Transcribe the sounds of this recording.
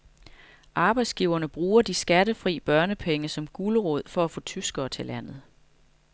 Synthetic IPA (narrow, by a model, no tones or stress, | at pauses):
ʔɑ̈ːb̥ɑ̈ɪd̥sɡ̥iːʊɐnəb̥ʁuːɐd̥isɡ̥æɾəfʁḭːb̥ɶɐnəpʰeŋəsɒ̽mɡ̥uːləʁɔð̞̰ˠfɒ̽æfɔ̽ːt͡sʰysɡ̥ɐːt͡sʰe̝læn̰ð̞̩ˠ